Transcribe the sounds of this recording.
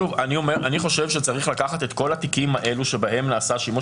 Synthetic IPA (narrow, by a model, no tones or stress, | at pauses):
uaniomeʁʔaniχo̞ʃe̞vʃet͡saʁiχlakaχat̪e̞t̪ko̞lat̪ikimhaʔe̞luʃe̞bahe̞mnaːsaʃimo